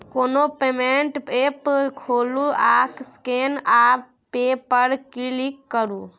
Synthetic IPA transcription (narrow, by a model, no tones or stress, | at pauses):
konopemeɳʈpepkʰoluakʰskena | pepəɾkilikːəɾu